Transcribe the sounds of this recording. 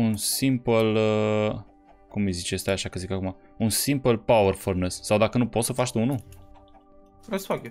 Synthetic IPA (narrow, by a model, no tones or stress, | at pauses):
unsimpələ | kumɨjzit͡ʃest̪eaʃakəzikakuma | unsimpəlpawərfornesːawd̪akənupo̞t̪səfat͡ʃt̪unu | esfak